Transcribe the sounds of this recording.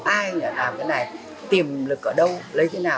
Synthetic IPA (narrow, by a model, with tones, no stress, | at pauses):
ʔaː˧jŋəː˧˩t̪aː˨˩kaː˨˦jna˨˩j | t̪i˨˩mlɨ˨˩k̚ʔəː˧˩ɗə˧wlə˨˦jt̪ʰe˨˦naː˨˩